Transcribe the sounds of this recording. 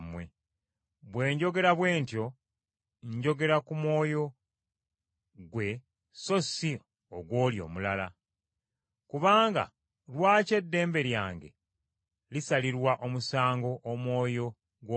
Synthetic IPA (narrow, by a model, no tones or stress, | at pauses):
mwe̞̰ | βwe̞ːɲɟo̞ɡe̞ɾaβwe̞ːntjo̞ | ɲɟo̞ɡe̞ɾakumwo̞ːjo̞ | ɡwe̞ | so̞si | oɡwo̞ːljo̞̰ːmulala̰ | kuβaːŋɡa̰ | lwaːce̞dːe̞ːmbe̞ɾjaːŋɡe̞̰ | lisaliɾwaʔo̞musaːŋɡo̞ʔːmwo̞ːjo̞ | ɡwo